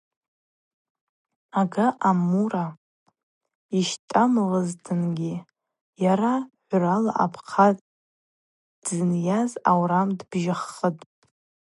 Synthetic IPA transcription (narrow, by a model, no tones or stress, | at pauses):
aɡaʔamura | iʃtʼamʁəztʰɨnɡʲi | jaɾaħᶣʷrala̰ʔa̰pʰqʰatʼ | dzɨnjazawɾamdbʒɪχətʼ